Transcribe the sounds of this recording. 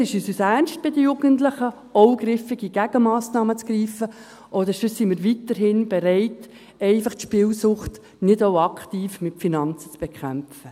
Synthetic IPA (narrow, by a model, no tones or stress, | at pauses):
sɪʃyːsusæɾnst̚b̥ɪd̪əjuɡəntləχə | ɔʊɡrɪfɪɡiɡ̥æɡ̥əmɑːsnɑːmət͡sɡ̥riːfə | ʔɔd̪əɾsəsimɪːɾʋitəɾɦɪnb̥ɛɾɛɪt | ɛɪfɑχtʃpɪːlsʊχt | nɪdoʊɑkχtiːfmɪtfinɑnt͡sə̥t͡sb̥ɛkχæmfə